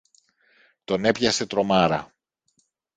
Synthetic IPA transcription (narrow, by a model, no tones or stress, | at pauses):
t̪o̞ne̞pçɐse̞t̪ɾo̞mɐɾɐ̰